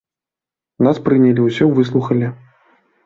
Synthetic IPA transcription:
naspɾɨnʲɐlʲiwsʲɔvɨslˠuxɐlʲi

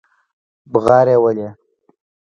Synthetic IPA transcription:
bɣɑːɾewəle

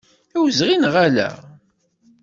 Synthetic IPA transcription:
æwzʁinʁælæ̰

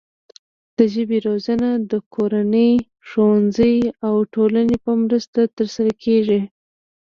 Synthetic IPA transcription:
d̪̥əʒəbeɾozanad̪əkʰoɾanəj | ʂowanzəjawʈolanepəmɾəst̪at̪əɾsaɾakʰeʐi

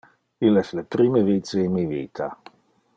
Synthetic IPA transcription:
ilɛslepɾimevit̪seinmivḭːt̪ʰa

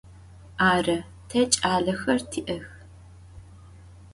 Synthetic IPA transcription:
aːrɐ | tʰɐt͡ʃʼaːɮɐxɐrtʰiːʔɐx

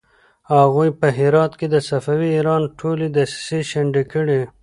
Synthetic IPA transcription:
haɣujpəɦɪɾɑːt̪ked̪əsɐfawiːɾɑːnʈʰolid̪assiʃɐɳɖikəɽi

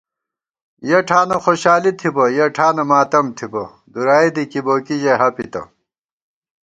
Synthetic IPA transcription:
jɐʈʰaːnɐxoɕaːlit̪ʰibɐjɐʈʰaːnɐmaːt̪ɐmt̪ʰibɐ | d̪uɾaːed̪ikiboːkiʑeɦɐpit̪ɐ̰

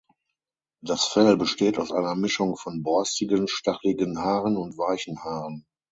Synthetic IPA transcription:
d̥asfɛlbəʃteːtaʊsʔaɪnɐmɪʃʊŋfɔnbɔɐstɪɡənʃtaχlɪɡənɦaːʁənʊntv̥aɪçn̩haːʁən

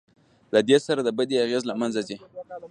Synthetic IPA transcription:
lad̪esaɾad̪əbad̪eaɣezlamanzazi

